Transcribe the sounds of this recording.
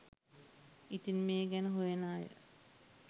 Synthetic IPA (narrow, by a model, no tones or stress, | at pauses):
it̪inmeːɡænəɦujenaːjə̰